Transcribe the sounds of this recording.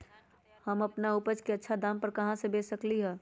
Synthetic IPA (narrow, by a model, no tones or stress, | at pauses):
həmɐpnaupət͡ʃkeɐtːʃʰad̪aːmpɐɾkɐɦãsebeːsəkliɦɛ̃ː